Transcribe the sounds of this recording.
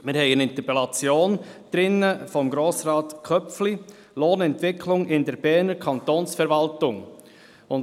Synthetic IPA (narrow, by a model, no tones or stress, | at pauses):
mɪɾhɛɪənɪnt̪əpɛlɑt͡sjoːnd̥ɾɪnːəfɔmɡɾoːsɾɑːtkʰœfli | loːnɛntvɪkʰlʊŋʔɪndɛɾb̥ɛːɾnəɾkʰɑnt̪oːnsfɛɾvɑltʊŋ | ʊn